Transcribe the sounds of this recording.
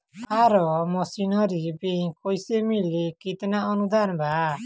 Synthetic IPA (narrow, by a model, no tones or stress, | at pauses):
aɾɔmɔsinɔɾibeɲkɔjsemilikit̪naɔnud̪anba